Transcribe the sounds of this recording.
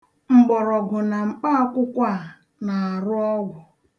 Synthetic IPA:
ŋ͡m̩˨ɡ͡bɔ˨ɾɔ˨ɡʊ˨na˨ŋ͡m̩˨k͡pa˦kʷʊ˦kʷa˦˨a˨ | na˨a˨ɾʊ˦ɔ˦ɡʷʊ˨

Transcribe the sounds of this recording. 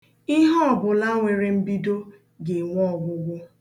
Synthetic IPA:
i˦ɦɔ˦˨bʊ˨la˦ŋʷe˨ɾe˨m̩˦bi˦do˦ | ɡe˨ŋʷɔ˦˨ɡʷʊ˦ɡʷʊ˦

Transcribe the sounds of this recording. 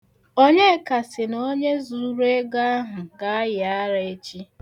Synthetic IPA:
o˦ɲe˦ka˨sɪ˨n˨o˦ɲe˦zu˨u˦ɾe˦ɡa˦ɦʊ˨ɡa˨a˦jɪ˨a˦ɾa˨e˦t͡ʃi˦

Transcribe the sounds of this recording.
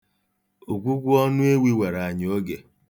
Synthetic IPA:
o˨ɡʷu˦ɡʷʊ˦ɔ˦nʊ˦e˦wi˦we˨ɾa˨ɲ˨o˦ɡe˨

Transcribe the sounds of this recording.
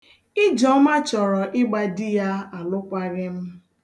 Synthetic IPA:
ɪ˦d͡ʒɔ˨˦ma˦t͡ʃɔ˨ɾɔ˨ʔɪ˦ɡ͡ba˨dɪ˦ja˦a˨lʊ˦kʷa˦ɾɪ˦m̩˦

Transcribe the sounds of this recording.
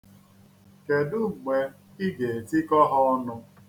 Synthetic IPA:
ke˨dʊ˦˨ɡ͡be˨ | i˦ɡe˨e˨ti˦kɔ˦ɦɔ˦nʊ˦

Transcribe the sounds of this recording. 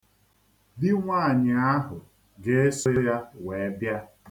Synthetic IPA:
di˦ŋʷaː˦˨ɲɪ˨a˦ɦʊ˨ | ɡe˦e˦sʊ˦ja˦we˨˦bja˦

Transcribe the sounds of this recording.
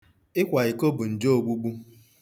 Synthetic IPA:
ɪ˦kʷa˨i˨ko˦bu˨n̩˨d͡ʒo˦o˨ɡ͡bu˦ɡ͡bu˦

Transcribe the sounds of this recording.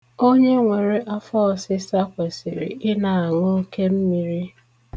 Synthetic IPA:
o˦ɲe˦ŋʷe˨ɾe˦ʔa˦fɔ˦˨sɪ˦sa˦kʷe˨sḭ˨ɾḭ˨ɪ˦na˨a˨ŋo˦ke˦m̩˦mi˨ɾi˦

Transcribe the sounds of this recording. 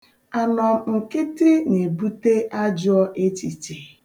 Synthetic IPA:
a˨nɔ˨m˨ŋ̩˨kɪ˦tɪ˦ne˨bu˦te˦ʔa˦d͡ʒʊ˦ɔ˦ʔe˦ti˨ti˨

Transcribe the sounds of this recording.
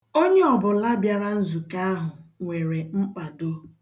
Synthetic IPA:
o˦ɲe˦ɔ˨bʊ˨la˦bja˨ɾa˦n̩˦zu˨ka˦a˦ɦʊ˨ŋʷe˨ɾe˨ŋ͡m̩˦k͡pa˨do˦

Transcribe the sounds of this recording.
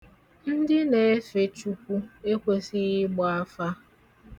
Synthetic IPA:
n̩˦dɪ˦ne˨˦fe˨t͡ʃu˦kʷu˦e˦kʷe˦sɪ˦ɣɪ˦ɡ͡ba˦fa˦

